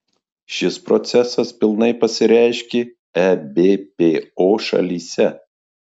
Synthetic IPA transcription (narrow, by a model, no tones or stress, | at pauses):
ʃʲɪspɾɔ̰t̪sʲɛsɐspʲɪlˠnɐɪpɐsʲɪɾʲæˑɪʃʲkʲeː | ɛbʲeːpʲeːoːʃɐ̰lʲiːsʲɛ